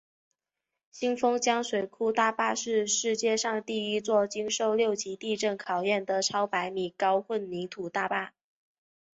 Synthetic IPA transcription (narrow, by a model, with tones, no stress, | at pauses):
ɕi˥ŋfɤ˥ŋt͡ɕjɑ˥ŋʂwe˨˩ɪkʰu˥t̪a˥˧pa˥˧ʂɻ̩˥˧ʂɻ̩˥˧t͡ɕjɛ˥˧ʂɑ˥˧ŋt̪i˥˩i˥t͡swɔ˥˩t͡ɕy˥ŋʂo˥˧ʊljo˥˩ʊt͡ɕi˧˥t̪i˥˧ʈ͡ʂɤ˥˩nkʰɑ˨˩ʊjɛ˥˩nd̪ə˩ʈ͡ʂʰɑ˥ʊpa˧˥ɪmi˨˩kɑ˥ʊxwə˥˩nni˧˥t̪ʰu˨˩t̪a˥˧pa˥˩